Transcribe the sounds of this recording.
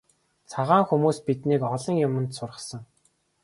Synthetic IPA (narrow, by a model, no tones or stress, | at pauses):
t͡sʰaʁaːŋxumuːspit̪niːkɔɮɞ̆ŋjʊmə̆nt̪sʊrʁə̆sə̆ŋ